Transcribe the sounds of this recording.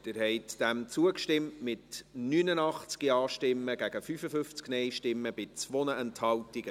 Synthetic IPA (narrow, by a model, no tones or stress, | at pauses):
d̥ɪɾhɛɪtd̥æmt͡suəkʃtɪmtmɪtnyːnənɑχt͡skiɑːʃtɪmːəɡ̥æɡ̥əfyfəfʏft͡sknɛɪʃtɪmːəb̥ɪt͡svonəɛnthɑltiɡ̥ə